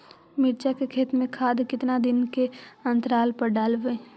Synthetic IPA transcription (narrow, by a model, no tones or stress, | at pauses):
mɪʈd͡ʒakekʰeːt̪mẽkʰaːd̪kɪt̪nad̪ɪnkeɐ̃nt̪əɾaːlpɐɾɖaːlʋẽː